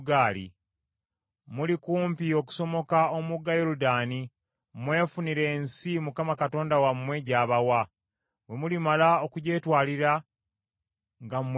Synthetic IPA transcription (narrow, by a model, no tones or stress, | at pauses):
ɡaːlḭ | mulikuːmpio̞k̬u̥so̞mo̞kaomuɡajoɾudaːni | mwe̞ːfuniɾe̞ːnsimukamakato̞ːndawamːwe̞ɟaːβawa | we̞mulimalao̞kuɟe̞ːtwaːliɾa | ŋɡamm